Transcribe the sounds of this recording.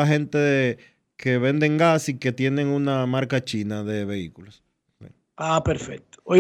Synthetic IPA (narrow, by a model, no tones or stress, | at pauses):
aɦe̞nt̪eðe | kʰe̞β̞e̞nd̪eŋɡasike̞t̪je̞ne̞ŋunamaɾkat͡ʃinaðe̞βe̞ikulos | sḭ | apeɾfek̚t̪o̥o